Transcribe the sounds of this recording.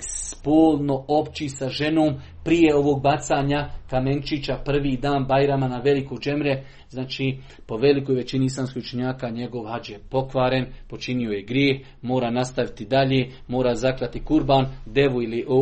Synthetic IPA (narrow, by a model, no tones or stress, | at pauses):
spoːlno̞o̞pt͡ʃisaʒe̞noːm | pɾije̞o̞ʋoɡ̚bat̪saːɲakament͡ʃit͡ɕapr̩ʋiːd̪aːnbajɾamanaʋe̞likod͡ʒe̞mɾe̞ | znaːt͡ʃi | po̞ʋe̞likoːjʋe̞t͡ʃiniislˠaːmskʲijut͡ʃeɲaːkaɲe̞ɡo̞ʋhad͡ʒje̞po̞kʋaːɾe̞npo̞t͡ʃinio̞jeɡɾjeːx | mo̞ːɾaːnast̪aʋit̪id̪aʎeː | mo̞ːɾaːzakɾat̪ikuɾbaːnd̪e̞ʋuiliʔo